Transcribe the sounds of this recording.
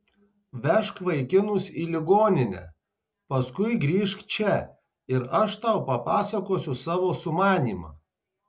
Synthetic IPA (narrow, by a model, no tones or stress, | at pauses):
ʋʲɛʃkʋɐɪkʲɪnʊsiːlʲɪɡoːnʲɪnʲɛ̰ | pɐskʊɪɡɾʲiːʃkt͡ʃʲɛ | ɪɾɐʃt̪ɑʊpɐpɑːsɐkoːsʲʊsɑːʋoːsʊmɑːnʲiːmɑ̰ː